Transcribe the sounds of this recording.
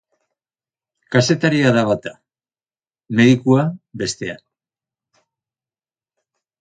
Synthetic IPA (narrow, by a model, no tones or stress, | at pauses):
kase̞t̪aɾiaðaβat̪a | me̞ðikuaβe̞st̪e̞a̰n